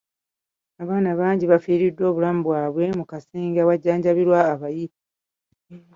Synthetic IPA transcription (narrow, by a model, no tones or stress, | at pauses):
aβaːnaβaːɲɟiβafiːɾidːo̞ːβulamubwaːβwe̞mukasiːŋɡawaɟːaːɲɟaβiɾwaːβaji